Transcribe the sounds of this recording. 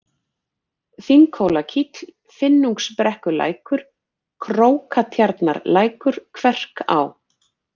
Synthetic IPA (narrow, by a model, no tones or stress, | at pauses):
θiŋkʰowlacʰit̪l̥ | fɪnːuŋkspɾɛhkʏla̰ːjkʏɾ̥ | kʰɾoːwkʰat̪ʰjaɾt̪na̰ɾlaːjkʏɾ̥kʰvɛr̥ka̰w